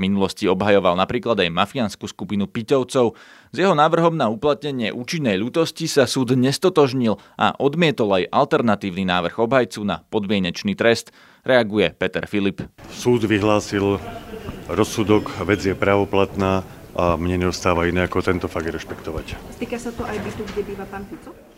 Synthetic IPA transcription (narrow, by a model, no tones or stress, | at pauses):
minulɔsciɔbɦajɔʋalnapɾiːklad̪ajmafianskuːskupinupicɔʊt͡sɔʊ | zjɛɦɔnaːʋr̩ɦɔmnauplat̪̚ɲɛɲɪɛʔuːt͡ʃinːɛjʎuːt̪ɔscisasuːd̪ɲɛst̪ɔt̪ɔʒɲil | ʔa̰ʔɔd̪mɪɛt̪ɔlajʔalt̪ɛɾnat̪iːʊninaːʋr̩ɣɔbɦajt͡sunapɔd̪mɪɛɲɛt͡ʃniːt̪ɾɛst̪ | ɾɛaɡujɛpɛt̪ɛ̰ɾfilipsuːd̪ʋiɦlaːsil | ɾɔsːud̪ɔkʋɛd͡zjɛpɾaːʋɔplat̪naː | ʔamɲɛɲɛɔst̪aːʋainɛːakɔt̪ɛnt̪ɔfaɡ̪̚ɾɛʃpɛkt̪ɔʋacst̪iːkasat̪ɔʔajbit̪uɡɟɛbiːʋapaːnfit͡sɔ